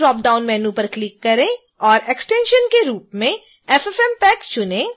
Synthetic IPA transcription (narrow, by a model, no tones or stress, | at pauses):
ɾɔːp̚ɖaːʊnmɛːnũpɐɾklɪkːɐɾẽ | ɔːɾeksʈẽːnʃənkeɾuːpmẽ | ɛfɛfɛmpɛːkt͡ʃʊnẽ